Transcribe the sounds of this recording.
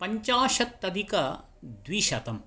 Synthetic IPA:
pɐɲt͡ʃaːʃɐt̪ːɐd̪ʱikɐ | d̪ʋiʃɐt̪ɐm

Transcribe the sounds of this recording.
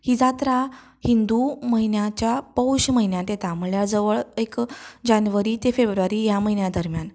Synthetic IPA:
hiːd͡zat̪ɾa | hind̪uməɦinjat͡ɕjapəwɕməɦinjat̪et̪ʰaməɭjad͡zəʋəɭekd͡ʑanʋəɾit̪efebɾuʋaɾijaməɦinjad̪əɾmjan

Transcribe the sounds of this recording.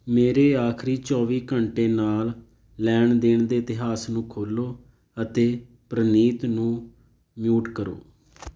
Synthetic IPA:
meːɾeːaːkʰɾiːt͡ʃɔːʋiːkəɳʈeːnaːl | lɛːɳd̪eːɳd̪eːɪt̪ɪɦaːsnũːkʰoːloː | ət̪eː | pɾəniːt̪nũː | mjuːʈkəɾo̰ː

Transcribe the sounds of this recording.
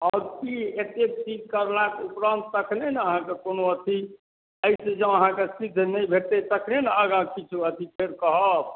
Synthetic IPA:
ɔʊɾkiet̪et͡ʃikkːəɾlakeupɾə̃nt̪ːəkʰnenaəɦãkekonoət̪ʰi | əjsẽd͡ʒãəɦãkesid̪ʱnəjbʱet̪et̪əkʰnenaəɡãkit͡ʃʰuət̪ʰipʰeɾkəɦəb̚

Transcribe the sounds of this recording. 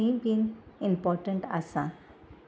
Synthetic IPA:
mbĩːnĩmpɔːɾʈə̃ɳʈasã

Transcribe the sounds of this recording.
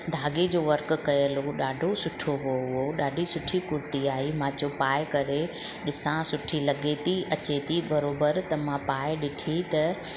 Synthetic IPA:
d̪ʱaːɡed͡ʑoːʋɐɾk̆kɐjəloɗaːɖʱosʊʈʰoɦoɦʊoɗaːɖʱisʊʈʰikʊɾt̪iaːimãːt͡ɕopaːɪkɐɾe | ɗɪsãsʊʈʰilɐɡet̪ʰiʔɐt͡ɕet̪ʰibɐɾoːbəɾt̪ɐmãpaːɪɗɪʈʰit̪ɐ

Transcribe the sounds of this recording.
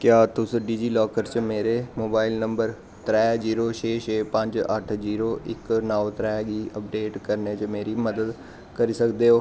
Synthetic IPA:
kjaːt̪ʊsɖiːd͡ʒiːlɔːkəɾt͡ʃmeːɾeːmoːbaːɪlnəmbəɾ | t̪ɾɛːziːɾoːt͡ʃʰeːt͡ʃʰeːpəɲd͡ʒə̰ʈʰziːɾoːʔɪ̰knaːot̪ɾɛːɡiːəp̚ɖeːʈkəɾneːt͡ʃəmeːɾiːməd̪əd̪ | kəɾiːsəkd̪eːɦoː

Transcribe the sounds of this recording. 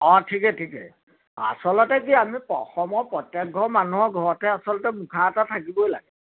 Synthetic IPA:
ɔtʰikɛtʰikɛ̰ | a̰sɔlɔtɛkiamipɔxɔmɔpɹɔtjɛk̚ɡʱɔmanuɦɔɡʱɔɹɔtɛasɔlɔtɛmukʰaːtatʰakibɔjlaɡɛ

